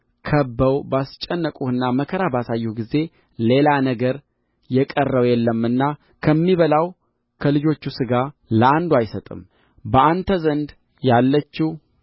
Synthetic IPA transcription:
kʰəbːəwbast͡ʃʼːɛnːəkʼuɨnːaməkʰəɾabasajːuɡize̞ | le̞lanəɡəɾ | jɛkʼərːəwjɛlːəmɨnːa | kʰəmːiβəlaw | kʰəlɨd͡ʒo̞t͡ʃːusɨɡaləand̪uajsət̪ʼɨ̰m | bəʔant̪ʰəzənd̪ | jalːət͡ʃːi

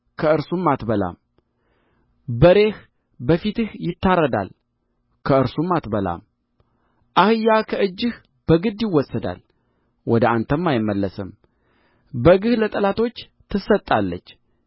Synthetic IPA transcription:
kʰəɨɾsumːat̪bəla̰m | bəɾe̞h | bəfit̪ɨhjɪt̪ːaɾːəd̪a̰l | kʰəɨɾsumːat̪bəla̰m | ʔahɨjːakʰəɨd͡ʒːɨh | b̥əɡɨd̪jɪwɔsːəd̪a̰l | wʔɔd̪əant̪ʰəmːajɪmːəlːəsɨm | bəɡɨhlət̪ʼəlat̪ʰo̞t͡ʃː | t̪ʰɨsət̪ʼːalːə̰t͡ʃː

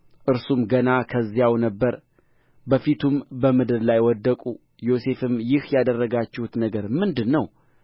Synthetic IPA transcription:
ʔɨɾsumɡənakʰəzːijawnəbːəɾ | bəfit̪ʰumbəmɨd̪ɨɾlajwɔd̪ːəkʼu | jo̞se̞fɨmjɪhjad̪ərːəɡat͡ʃːɛhut̪nəɡəɾmɨnd̪ɨnːəw

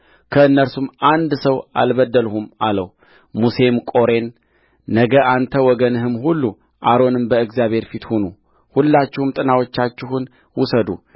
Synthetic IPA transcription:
kʰəɨnːəɾsumʔand̪səwa̰lβəd̪ːəlhumalə̰w | muse̞mkʼo̞ɾe̞nː | əɡəʔant̪ʰəwɔɡənɨɦɨmhulːu | ʔaɾo̞nɨmbəɨɡzijaβhe̞ɾfit̪hunu | hulːat͡ʃːɪhɨmt̪ʼɨnawo̞t͡ʃːat͡ʃːɪɦun | wusəd̪ṵ

